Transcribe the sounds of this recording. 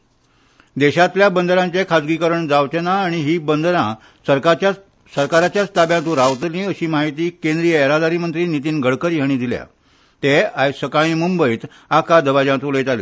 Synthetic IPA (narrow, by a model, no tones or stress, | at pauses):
d̪ɛɕat̪ljabənd̪ʱɾãɲt͡ɕekʰad͡zɡikəɾəɳd͡zaʋt͡ɕənaːɽ̃iɦiːbənd̪ɾã | səɾt͡ɕa | səɾkaɾat͡ɕjast̪abjãt̪ũɾaʋt̪lĩəɕiːmaɦit̪iːkẽnd̪ɾijəeɾad̪aɾiːmənt̪ɾiːnit̪̬iːnɡʱəɽkəɾjɦəɽ̃ĩːd̪ʱilja̰ | t̪eajsəkaɭ̃ĩːmumbəit̪ | akad̪əʋad͡ʑãt̪uləjt̪alḭ